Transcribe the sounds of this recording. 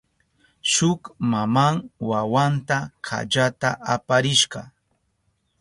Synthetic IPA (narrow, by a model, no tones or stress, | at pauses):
ʃʊkmamaŋwawant̪akʰa̰ʎat̪aʔapaɾɪʃɢɑ̰